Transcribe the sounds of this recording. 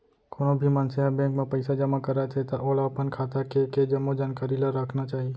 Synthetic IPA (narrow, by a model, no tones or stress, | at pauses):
koːnobʱimənseabɛ̃ːŋkmẽpəɪsad͡ʒəmakəɾat͡ʃʰet̪aʔoːlaːpənkʰaːt̪akeked͡ʒəmːod͡ʒaːnkaːɾilaɾəkʰnat͡ʃaːɦie